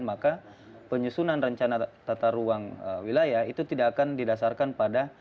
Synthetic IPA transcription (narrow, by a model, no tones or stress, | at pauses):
nmaka | pəɲusunanrəɲt͡ʃanat̪at̪aɾuaŋəwilajahit̪ut̪idakːkandidasarkanpada